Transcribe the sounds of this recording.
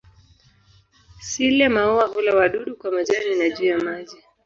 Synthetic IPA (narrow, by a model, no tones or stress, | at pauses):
silɛmauwavulawaɗuɗukwamaʄaninaʄuːjamaʄi